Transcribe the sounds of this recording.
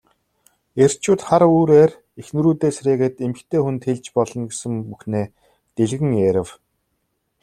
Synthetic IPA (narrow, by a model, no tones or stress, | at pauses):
er̥t͡ɕʊːt̪χaɾuːɾeːr | exnɵ̆ɾuːt̪eːsɾeːɣɘ̆ːt̪emɘ̆kt̪ʰeːxunt̪xeɮt͡ɕpɔɮɞ̆nɡesɘ̆ŋpuxneː | t̪eɮɣɘ̆ŋjeɾʲɪ̆w